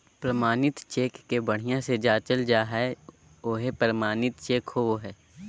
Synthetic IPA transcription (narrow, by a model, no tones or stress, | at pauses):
pɾəmaːnɪt̪t͡ʃeːkːebəɽ̤ijãsed͡ʒaːt͡ʃəld͡ʒaːɦɛ | oːɦepɾəmaːnɪt̪t͡ʃeːkhoɦɛː